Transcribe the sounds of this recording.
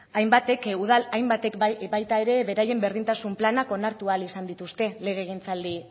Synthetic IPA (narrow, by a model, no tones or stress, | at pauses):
ajmbat̪e̞kuð̞alajmbat̪ekbajt̪ae̞ɾe̞βe̞ɾaje̞mbe̞ɾðint̪asumplanako̞naɾt̪ualisand̪it̪ust̪e̞le̞ɣ̞eɣ̞int͡sald̪i